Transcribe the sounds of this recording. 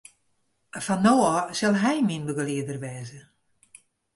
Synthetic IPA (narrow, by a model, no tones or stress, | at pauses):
fanːoːɔsɛlˠɦɛjminbəɡəliədərʋɛːzə